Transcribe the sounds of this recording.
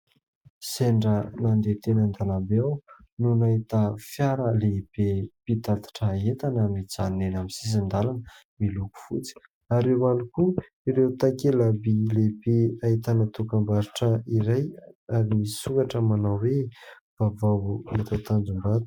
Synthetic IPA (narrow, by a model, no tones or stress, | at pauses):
seɳɖ͡ʐənand̪et̪enənd̪alambeaw | nunait̪afjaɾəleb̥epit̪at̪ḁʈ͡ʂəet̪anəmid͡zaninenamisizind̪alanə | miluku̥fut͡si̥ | aɾewaniku | iɾewt̪akelabilebeait̪anat̪ukambaɾiʈ͡ʂəiɾajaɾimisukaʈ͡ʂəmanawwe | v̥avawuet̪at̪and͡zumbat̪